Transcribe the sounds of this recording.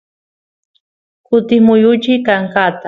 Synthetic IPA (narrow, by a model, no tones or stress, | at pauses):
kʊt̪ɪmʊjʊt͡ʃɪkaɴkaːt̪a